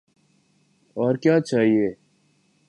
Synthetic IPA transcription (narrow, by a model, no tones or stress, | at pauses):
ɔːɾkjaːt͡ʃaːɦieː